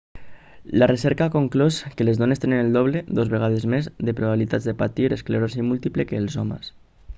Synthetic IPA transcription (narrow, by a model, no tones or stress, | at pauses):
laresɛɾkakoŋkloskelezðonest̪enenelˠd̪oβ̞leðozβeɣ̞að̞ezmezðepɾoβaβilit̪azðepat̪iɾeskleɾosimulˠt̪iplekeːlˠzɔma̰s